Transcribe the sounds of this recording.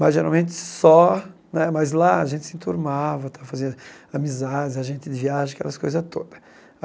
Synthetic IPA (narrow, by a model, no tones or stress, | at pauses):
maʒeɾawmẽt͡ʃ̪ɪ̥sɔnɛmazlaaʒẽnt̪ɪsɪĩt̪uɾmavɐt̪avɐfazĩnʊamizad͡ʒɪzɐʒẽnt͡ʃ̪ɪd̪ɪviaʒ̃ɐkɛ̰lɐskojzɐt̪o̰d̪ɐ